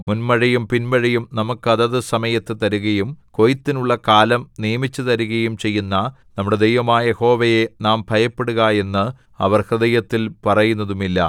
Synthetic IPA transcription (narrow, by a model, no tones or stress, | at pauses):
munmɐɻɐjumpinmɐɻɐjumnɐmukːɨɐðɐðɨsɐmɐjɐt̪ːɨt̪ɐɾuɣɐjumko̞jit̪ːinuɭːɐkaːlɐmnijɐmit͡ɕːut̪ɐɾuɣɐjumt͡ɕe̞jːunːɐ | nɐmːuɽe̞d̪ejʋɐmaːjɐeho̞ːʋɐje̞naːmbʱɐjɐpːeɽuɣaje̞nːɨ | ɐ̰ʋɐrhrɨðɐjɐt̪ːilpɐrɐjunːɐðumilːɐ̰